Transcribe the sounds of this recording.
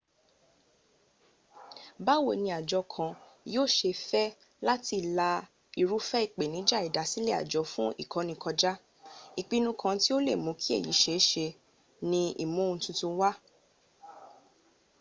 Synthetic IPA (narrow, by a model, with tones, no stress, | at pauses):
ba˦wo̰˨nĩ˧a˨d͡ʒɔ˧kʰã˧joː˦˨ʃe˧fɛ˦ | la˦ti˧˨la˧ | i˨ɾu˨˦fɛ˦i˦˨k͡pe˨nĩ˨˦d͡ʒa˦˨i˨da˨˦si˦le˦˨a̰˨d͡ʒɔ˨˦fũ˦ḭ˦˨kʰɔ̃˨˦nĩ˧˦kʰɔ˧d͡ʒa˦ | i˨k͡pi˧nũ˧kʰã˧ti˦o˦le˦˨mõ˨˦kʰi˦ḛ˦˨ji˨˦ʃe˨˦ʃe˧ | nĩ˧ḭ˨mõ˦˧tũ˧tũ˧wa˦